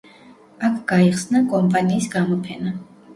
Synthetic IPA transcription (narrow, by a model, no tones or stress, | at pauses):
akʰɡ̥aiχsnakʼɔmpʼaniːsɡamɔpʰɛna